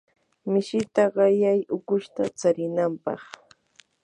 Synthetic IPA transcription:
mɪʃɪt̪aɢɑjajʊkʊʃt̪at͡saɾɪnampɑ̰χ

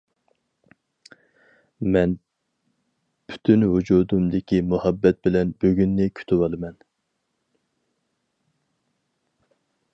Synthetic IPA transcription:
mɛn | pʰy̥t̪ʰynhud͡ʒuːd̪umd̪ɪkʲʰimuhɑbːɛt̪̚bɪlɛnbøɡʲynːɪkʲʰy̥t̪ʰywɑlˠɨmɛn

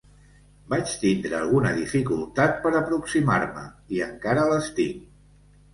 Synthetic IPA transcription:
bat͡ʃt̪ind̪ɾəːlˠɣ̞unəðifikulˠt̪at̪̚pəɾəpɾuksima̰ɾmə̰iəŋkaɾələst̪iŋ

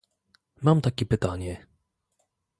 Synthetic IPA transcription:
mamt̪akʲɛpɘt̪aɲɛ

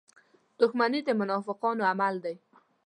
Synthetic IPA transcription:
d̪̥ʊxmanid̪əmʊnɑfɪqɑnoamald̪aj

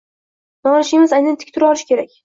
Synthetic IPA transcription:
nɒŋɪʃɪmɪzajnanɪt̪ʰɪ̥kʲt̪ʰɪɾɒlɪʃkʲe̞ɾakʲ

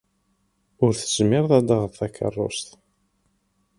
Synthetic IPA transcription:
ʊɾθəzmɪɾðæd̪aʁəðθækʰːə̰rˤːo̰st̪

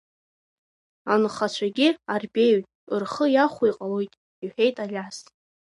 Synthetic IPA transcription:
anɨχat͡ɕʷʰaɡʲiarbe̞jtʼɨrχəjaχʷijqʼalo̞jtʼ | iħᶣe̞jtʼalʲas

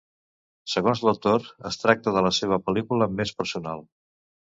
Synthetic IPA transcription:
səɣonzləwt̪oɾəst̪ɾak̚t̪əðələseβ̞əpəlikuləmespəɾsunalˠ

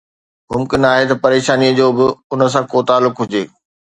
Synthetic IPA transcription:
mʊmkɪnaːɦet̪ɐpɐɾeːʃaːniəd͡ʑoːbɪʊnə̆s̬ãkoːt̪aːlːʊkɦʊd͡ʑeː

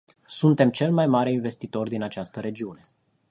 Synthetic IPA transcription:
sunt̪e̞mt͡ʃe̞lmajmaɾe̞inve̞st̪it̪o̞rd̪inat͡ʃast̪əɾe̞d͡ʒiune̞

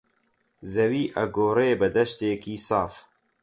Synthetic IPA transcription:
zɐwiːʔɐɡoːɾeːbəd̪ɐʃt̪eːkiːsɑːf

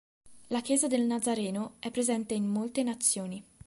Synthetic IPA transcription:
lak̟jɛːzad̪elnad̪zaɾɛːnoɛpːɾezɛnt̪eimmolt̪enat̪sːjoːni

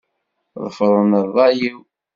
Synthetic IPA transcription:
ðˤəfəðˤənəðˤɑjiw

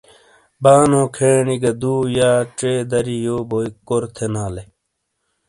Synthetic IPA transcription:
baːnõːkʰeːniɡɐd̪uːjaːʈ͡ʂeːd̪ɐɾijoːboikoɾt̪ʰenaːle

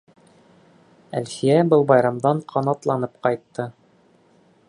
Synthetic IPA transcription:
ælχijæbɤlˠbɑjɾɑmd̪ɑɴqʰɑnɑt̪lˠɑnɤpqɑjt̪ːɤ

